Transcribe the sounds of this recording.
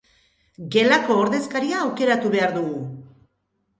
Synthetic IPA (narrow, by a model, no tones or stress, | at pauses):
ɡe̞lako̞ːɾðe̞skaɾiaːwke̞ɾat̪uβe̞aɾðuɣu